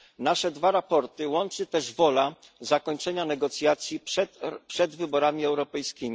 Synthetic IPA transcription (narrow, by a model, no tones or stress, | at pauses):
naʂɛd̪vaɾapɔɾt̪ɘwɔnt͡ʂɘt̪ɛʐvɔla | zakɔɲt͡ʂɛɲanɛɡɔt̪sʲjat̪sʲjipʂɛd̪vɘbɔɾamʲiɛwɾɔpɛjskʲimʲi